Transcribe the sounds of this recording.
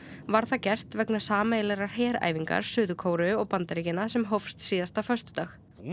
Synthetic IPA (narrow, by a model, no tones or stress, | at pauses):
vaɾ̥θacɛr̥t̪vɛknḁsaːmeːjlɛɾaɾ̥hɛːɾa̰ːjviŋka̰ɾ̥sʏːðʏkʰoːwɾʏɔɣpant̪aɾɪcɪnasɛmɦowfst̪siːðast̪afœst̪ʏ̥t̪aːx